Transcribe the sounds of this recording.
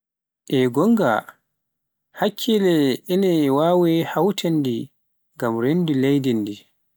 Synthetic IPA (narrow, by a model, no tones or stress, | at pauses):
ʔɛɡɔŋɡa̰ | hakʰːilɛɛnɛwaːwɛhawtʰandi | ŋɡamɾendilejdindi